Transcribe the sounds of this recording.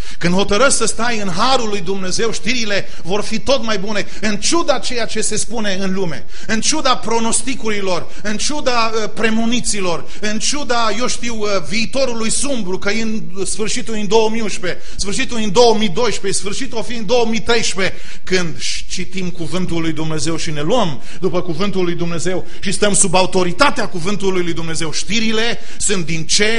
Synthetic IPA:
kɨnd̪ho̞t̪əɾəsʲsəst̪ajɨnɦaɾulːujd̪umne̞ze̞wʃt̪iɾile̞ | vo̞rfit̪o̞t̪majbune̞ | ɨnt͡ʃud̪at͡ʃe̞jat͡ʃe̞se̞spune̞ɨnlume̞̰ | ɨnt͡ʃud̪apɾo̞no̞st̪ikuɾilo̞r | ɨnt͡ʃud̪a | əpɾe̞munit̪silo̞r | ɨnt͡ʃud̪ajo̞ʃt̪iw | viːt̪o̞ɾulujsumbɾukəjen | sfɨrʃit̪uld̪ind̪o̞wəmiũʃpe̞ | sfɨrʃit̪uld̪ind̪o̞wəmid̪o̞jʃpe̞sfɨrʃit̪uafid̪ind̪o̞wəmit̪ɾe̞jʃpe̞ | kɨnd̪ʃ | t͡ʃit̪imkuvɨnt̪ulːujd̪umne̞ze̞wʃine̞luəm | d̪upəkuvɨnt̪ulːujd̪umne̞ze̞w | ʃist̪əmsubaut̪o̞ɾit̪at̪eakuvɨnt̪ulːujlujd̪umne̞ze̞wʃt̪iɾile̞ | sunt̪̚d̪int͡ʃe̞

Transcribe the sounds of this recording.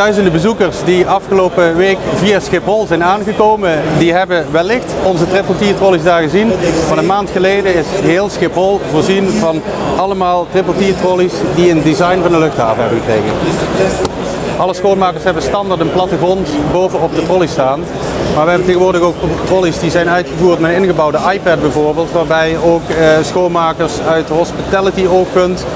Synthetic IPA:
d̥œɥzəndəbəzukərsdiɑfχəloːpəʋeːkviasxɪpɦɔlˠzɛjnaːnɣəkowməndiɦɛbəʋɛlːɪxtɔnzətrɪplˠtiːtrɔlizdaːɹɣəzinmɑnənmaːntxəlejdəɪsɦeːlˠsxɪpɦɔlˠvoːɹzinvɑn | ɑləmaːlˠtrɪpəl̩ˠtiːtrɔlisdiəndizɑjnvɑndəlɵxtɦa̰ːvəɦɛbəɣəkrejɣə̰n | ʔɑləsxoːnmaːkəɹsɦɛbənstɑndaɹtənplɑtəɣrɔntboːvənɔp̚dətrɔlistaːn | maːɹʋəɦɛbənteːɣənʋʊːɹdəɣoːk̚trɔlisdizɛjnœɥtχəvuːɹtmɛtɪnɣəbɑwdəʔɑjpɛd̚bɛjvʊːɹbeːlˠtʋaːɹbɛjəowksxoːnmaːkəɹsœɥtəɦɔspitalətioːkkɵnt

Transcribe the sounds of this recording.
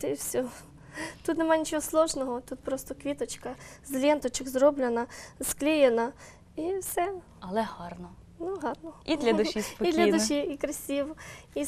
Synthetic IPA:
t̪ɪwsʲɔ | t̪ut̪nemɑnʲit͡ʃɔɦɔslˠɔʒnɔɦɔt̪ut̪̚pɾɔst̪ɔkʋʲit̪ɔt͡ʃkɐzlʲɛnt̪ɔt͡ʃɪkzɾɔblʲenɐsklʲɪjenɐ | iwsɛ | ɐlˠɛhɑrnɔ | nuɦɑrnɔid̪lʲɐd̪ʊʃispɔid̪lʲɐd̪ʊʃiikɾɐsʲiwi

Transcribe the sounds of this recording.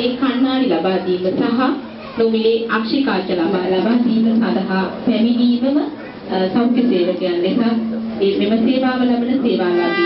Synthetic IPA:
eːkanmaːɽilɐbaːd̪iːməsaɦa | nomileːʔakʂikaːt͡ʃəlabalabaːd̪iːməsad̪aɦapɛmid̪iːməmə | sawkjəseːʋəkejanːesaː | ememəseːʋaːʋəlɐbənəseːʋaːlaːd̪i

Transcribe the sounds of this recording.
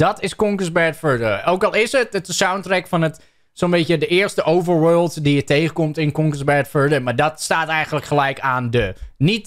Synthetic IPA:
dɔtɪskɔŋkəsbɛtfəɹdəoːkɔlˠɪsətətəsawntrɛkfɔnət | soənbɪtjədəɪəstəʔowvəɹwøːlˠtdijətejɣəkomtɪnkɔŋkəsbɛɹtfəɹdəmaɹdɔtstaːtɛjɣənləkχəlɛjkaːndənit

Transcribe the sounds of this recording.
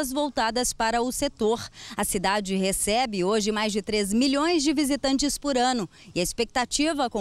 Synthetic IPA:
ɐzvowt̪ad̪ɐspaɾɐʊset̪oɾɐsid̪ad͡ʒɪɦesɛbɪoʒɪmajzd͡ʒɪt̪ɾezmiʎõj̃zd͡ʒɪvizit̪ɐ̃nt͡ʃɪspʊɾɐ̃nʊ | iɐispek̚t̪at͡ʃivɐkõ

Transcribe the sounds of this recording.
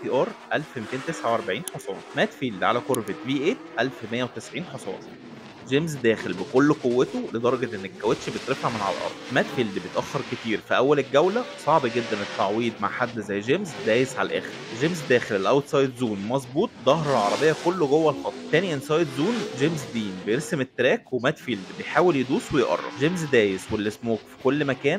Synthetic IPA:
t̪iːʔɑːɾˤʔælfmit̪eːnt̪esʕawʔɑɾˤbaʕiːnħosˤɑ̰ːsˤmæːt̪fiːld̪ʕa̰lækoɾvet̪viːʔeːt̪ʔælfmejːæwet̪esʕiːnħosˤɑ̰ːsˤ | ʒemzd̪æːxelbekolːqowːæt̪oled̪ˤɑɾˤɑɡɑʔenːækːæwet̪ʃbet̪ɾefaʕmenʕa̰læ̰lʔɑ̰ɾˤd̪̥ˤmæt̪fiːld̪ibet̪ʔæxːeɾket̪iːɾfiʔæwːælelɡæwlæsˤɑʕbɡed̪ːænet̪ːaʕwiːd̪ma̰ʕħad̪ːzæjːʒemzd̪æːjesʕalælʔæ̰ːxeɾʒemzd̪æːxellːʔæwd̪sˤɑːjet̪zuːnmɑzˤbuːt̪̚ˤd̪ˤɑɦɾˤɑlʕɑɾˤɑbejːɑkolːoɡowːælxɑt̪ˤɾt̪æːniʔenːsˤɑːjet̪zuːnʒemzd̪iːnbejeɾsemet̪ːɾæːkwemæːt̪fiːld̪bejħaːweljed̪uːswejʔɑ̰rˤːɑ̰ʒemzd̪æːjeswelːesmoːkfi̥kolːmækæːn

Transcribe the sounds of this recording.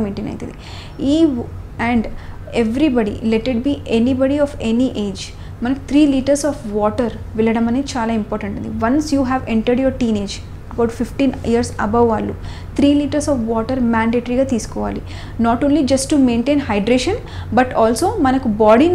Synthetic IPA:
meːʈenɐ̰jt̪ind̪i | iːɛɳɖ | eʋɾibɐɽḭleʈeʈ̚biːʔenibɐɽiɔːfeniʔeːd͡ʒ | mɐnɐku̥t̪ʰɾiːliːʈɐɾsɔːfʋɔːʈɐɾ | ʋɛlɐɽɐmɐneːt͡ʃaːlaːimpɔːɾʈɐɳʈund̪iʋɐnsjuːɦæːʋeɳʈɐɾɖjɔɾʈiːne̞ːd͡ʒ | ɐbɐwʈfʰifʈiːnijɐɾsɐbɐʋːaːlːu | t̪ʰɾiːliːʈɐɾsɔːfʋɔːʈɐɾmaːɳɖeːʈɐɾiɡaːt̪iːsu̥kɔːʋa̰ːli | naːʈoːnlid͡ʒɐsʈːume̞ːɳʈeːnɦɐjɖɾeːʃɐn | bɐʈɔːlsoːmɐnɐkubaːɖin

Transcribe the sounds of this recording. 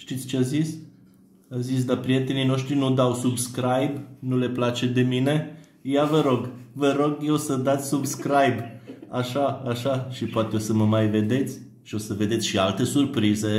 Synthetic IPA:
ʃt̪it̪sʲt͡ʃeazis | azis̬d̪apɾije̞t̪e̞nino̞ʃt̪ɾinud̪awsubskɾajbnule̞plat͡ʃe̞d̪e̞mine̞ | javəɾo̞ɡvəɾo̞ɡjewsəd̪at̪sʲsubskɾajbaʃaːʃaʃipoat̪e̞osəməmajve̞d̪e̞t̪sʲ | ʃio̞səve̞d̪et̪ʲʃialt̪e̞surpɾize̞

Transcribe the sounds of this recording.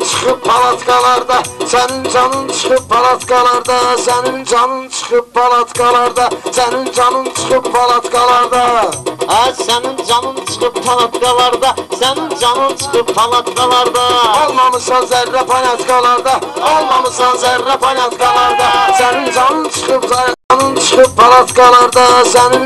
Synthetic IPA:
t͡ʃʰə̥qəppʰɑlˠɑt̪kɑlˠɑɾd̪ɑsænɪnd͡ʒɑnɨnt͡ʃʰə̥qəppʰːɑlˠɑt̪kɑlˠɑɾd̪ɑsænɪnd͡ʒɑnɨnt͡ʃʰə̥qəp̚pʰɑlˠat̪kɑlˠɑɾd̪ɑsænɪnd͡ʒɑnɨnt͡ʃʰə̥qəppːʰɑlˠɑt̪kɑlˠɑɾd̪ɑ | æsænɪnd͡ʒɑnɨnt͡ʃʰə̥qəppʰɑlˠɑt̪kɑlˠɑɾd̪ɑsænɪŋd͡ʒɑnɨnt͡ʃʰə̥qəppʰɑlˠɑt̪kʰɑlˠɑɾd̪ɑolˠmɑmɨsɑnzæɾːɛpʰɑlˠɑt̪kʰɑlˠɑɾd̪ɑolˠmɑmɨsɑnzæɾːɛpʰɑlɑt̪kɑlˠɑɾd̪ɑsænɪnd͡ʒɑnɨnt͡ʃʰə̥qpzɑɾnɨnt͡ʃʰə̥qɨppʰɑlˠɑt̪kɑlˠɑɾd̪ɑsænɪŋ

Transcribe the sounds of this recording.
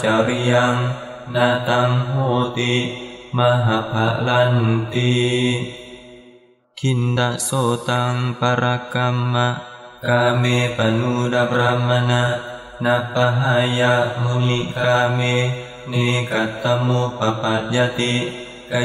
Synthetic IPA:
t͡ʃaɾiaŋ | nat̪aŋɦot̪imaɦapaʔlant̪i | kʰind̪aʔsot̪aŋpaɾakamːaʔkamepanudapɾamːana | napaɦajaʔmuŋiʔkame | nekat̪ːamupapad͡ʒat̪i | ka

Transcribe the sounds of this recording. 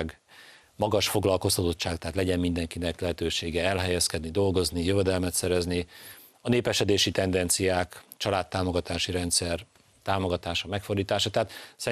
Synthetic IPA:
ɡ | mɒɡɒʃfo̞ɡlɒlko̞st̪ɒt̪o̞t̪t͡ʃaːk̚t̪ɛɦat̪lɛɟɛmmind̪ɛŋkinɛklɛɦɛt̪øːʃeːɡɛɛlɦɛjɛskɛd̪nid̪o̞lɡo̞znijøvɛd̪ɛlmɛt̪sɛɾɛzni | ɒneːpɛʃɛd̪eːʃit̪ɛnd̪ɛnt̪sijaːkt͡ʃɒlaːt̪ːaːmo̞ɡɒt̪aːʃiɾɛnt̪sɛr | t̪aːmo̞ɡɒt̪aːʃɒmɛkfo̞rd̪iːt̪aːʃɒt̪ɛɦat̪sɛ

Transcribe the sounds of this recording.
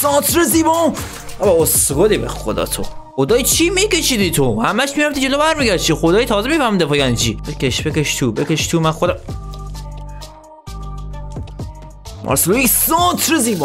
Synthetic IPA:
sɑːt̪ʰɾeziːbɔ | æbæosɡoliːbḛxo̰d̪ɒ̰ːt̪ʰoxod̪ɒːjit͡ʃʰimike̞ʃiːd̪it̪ʰohæmæʃmijofd̪id͡ʒe̞lobæɾmiɡæt͡ʃʰixod̪ɒːjit̪ʰɒːzemifæɾmid̪epɒjænit͡ʃʰḭbekeʃb̥ekeʃt̪ʰubekeʃt̪ʰumænxod̪æm | mʔɒ̰ɾselojiksɔːt̪ʰɾeziːbɔ

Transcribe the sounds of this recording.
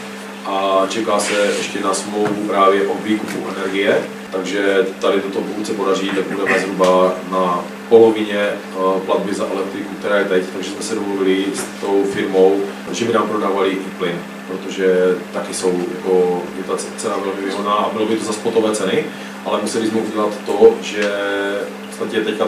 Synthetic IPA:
ʔat͡ʃɛkaːsɛʔɛʃcɛnasmlowvupɾaːvjɛʔoviːkupuʔɛnɛɾɡɪjɛ | t̪aɡʒɛt̪adɪt̪ot̪opuut͡sɛpodaʒiːt̪ak̚budɛmɛzɦɾubana | po̞lovɪɲɛ | plad̪bɪzaʔɛlɛk̚t̪ɾɪkuk̚t̪ɛɾaːjɛt̪ɛct̪aɡʒɛzmɛsɛdomluvɪlɪst̪owfɪɾmo̞w | ʒɛmɪnaːmpɾodaːvalɪniːplɪn | pɾot̪oʒɛt̪akɪsowjakojɛt̪at͡sɛnavɛlmɪvɪɦodnaːʔabɪlobɪt̪ozaspot̪ovɛːt͡sɛnɪ | ʔalɛmusɛlɪzmɛuɟɛlat̪ːoʒɛ | po̥t͡st̪acɛt̪ɛcka

